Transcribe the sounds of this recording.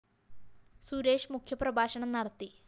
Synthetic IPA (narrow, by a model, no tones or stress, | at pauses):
suːɾe̞ːʂmukʰjɐprɐbʱaːɕɐɳɐmnɐɽɐt̪ːi